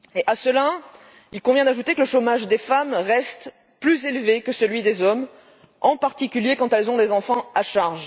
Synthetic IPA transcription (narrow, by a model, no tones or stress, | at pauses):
eʔasəla | ilkɔ̃vjɛ̃d̪aʒut̪ekələʃomaʒd̪efamʁɛst̪ | plyzelvekəsəlɥid̪ezɔm | ɑ̃paʁt̪ikʲyljekɑ̃t̪ɛlzɔ̃d̪ezɑ̃fɑ̃aʃaʁʒ